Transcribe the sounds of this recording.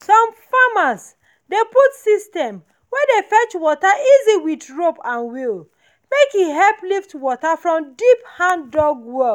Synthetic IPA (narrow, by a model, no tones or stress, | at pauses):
sɔ̃mfamas | deputsistɛ̃m | wɛdefɛt͡ʃwɔtaiziwidɹopãnwil | mekiɦɛlpliftwɔtafɹɔ̃mdiphãndɔɡwɔ